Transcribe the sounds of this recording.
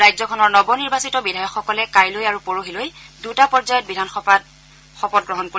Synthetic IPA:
ajzɔkʰɔnɔɹnɔbɔniɹbasitɔbidʱajɔxːɔkɔlɛkajlojaɹupoɹoɦilojdutapɔɹzajɔt̚bidʱanxɔa | xɔpɔt̚ɡɹɔɦɔnkoi

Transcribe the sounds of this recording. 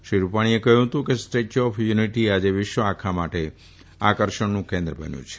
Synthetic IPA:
ʃɾiɾupaɽ̃iekəɦũɦət̪ũkesʈet͡ʃɔfʰjuniʈiad͡ʒeʋɪʃʋəakʰamaʈe | akəɾʃəɳnũkẽnd̪ɾəbə̰njṵ̃t͡ʃʰe̥

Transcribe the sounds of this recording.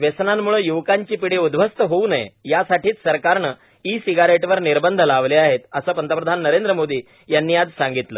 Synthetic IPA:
ʋesnamːuɭəjuʋkaɲt͡ɕiːpiɽeud̪bʋəst̪əɦouːnəjḛjasaʈiːt͡s̪səɾkaɾɳə | isiɡaɾeʈʋəɾniɾbənd̪ʱəlaʋleaɦet̪əsəːpənt̪əpɾəd̪ʱanːəɾend̪ɾəmod̪ʱiː | janːiːad͡zsãŋɡit̪ləː

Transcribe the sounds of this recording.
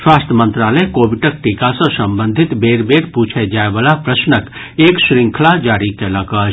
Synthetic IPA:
ʃwaːst̪ʰəmə̃nt̪ɾaːləjkoːbɪʈək̚ʈiːkasõsɐ̃mbə̃nd̪ʱɪt̪beːɾbeːɾpuːt͡ʃʰed͡ʒaːeʋəlapɾəsnək | eːkʃɾɪ̃ŋkʰəlad͡ʒaːɾikelɐɡə

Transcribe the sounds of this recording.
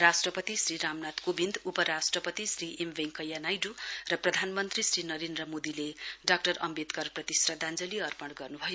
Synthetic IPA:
ɾasʈrʌpʌt̪isrɾiɾamnat̪kobind̪upʌɾasʈrʌpʌt̪isriʔemʋeŋkʌjːanajɖurʌprʌd̪ʱanmʌnt̪risrinʌɾend̪rʌmod̪ileɖak̚ʈʌɾʌmbet̪kʌrprʌt̪israd̪ãnd͡zʌliʌrpʌɽɡʌrnubʱʌjo

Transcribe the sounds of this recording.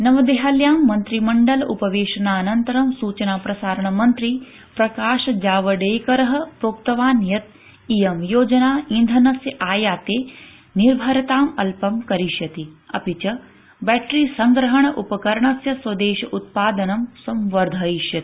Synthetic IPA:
nɐʋɐd̪eɦaːljaːmːɐnt̪ɾimɐɳɖɐlʔupɐʋeːʃɐnaːnɐnt̪ɐɾɐmsuːt͡ʃɐnaːpɾɐsaːɾɐɳɐmɐnt̪ɾi | pɾɐkaːʃɐd͡ʒaːʋɐɖeːkɐɾɐɦɐ̆pɾoːk̚t̪ɐʋaːnjɐt̪̚ | ijɐmjoːd͡ʒɐnaːĩnd̪ʱɐnɐsjɐʔaːjaːt̪eː | niɾbʱɐɾɐt̪aːmɐlpɐmkɐɾiʃjɐt̪iɐ̰pit͡ʃɐ | bɛːʈɾisɐŋɡɾɐɦɐɳ̃ɐʔupɐkɐɾɐɳɐsjɐsʋɐd̪eːʃɐʔut̪̚paːd̪ɐnɐmsɐmʋɐɾd̪ʱɐiʃjɐt̪i̥

